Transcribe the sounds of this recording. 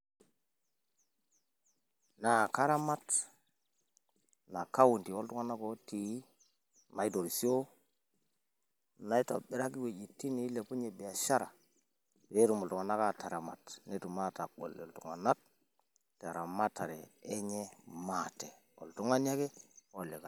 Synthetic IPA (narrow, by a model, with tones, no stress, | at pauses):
na˨ka˦ɾa˦ma˦t | na˨ka˦wu˨nti˨o˦ltu˦ŋa˦na˦ko˦ti˨˦ | ma˨i˦do˨ɾi˨si˦o˦ | na˨˦i˦to̰˨ɓi˦ɾa˦ki˦we˨d͡ʒi˨tːi˦ni˨˦le˨pu˦ɲe˨bi˨a˨ʃa˦ɾa˨ | be˦tu˨mu˨ltu˨ŋa˨na˦ka˨ta˨ɾa˨ma˨tne˦tu˨ma˦ta˨ɡo̰˨lḛ˨ltu˨ŋa̰˨na˦k̚ | ta˨ɾa˨ma˦tːa˨ɾeː˨˦ɲe˦ma˦˨te˨ | o̰˨ltu˦ŋa˦n˦a˦ke˦o˨le˨ka˨